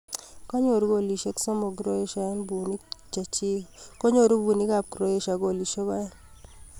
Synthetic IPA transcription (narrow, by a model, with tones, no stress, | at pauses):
ko˦ɲo˨ɾu˦ko˦˨li˨ʃe˦ksɔ˦mo˨ɡɾo˦e˦ʃa˨ɛ˦nbu˨ni˦t͡ʃa˨t͡ʃi˦ko˦ɲo˨ɾu˦bu˨ni˦ka˨p̚kɾo˦e˦ʃa˨ɡo˦˨li˨ʃe˦kɔ˦ɛ˦n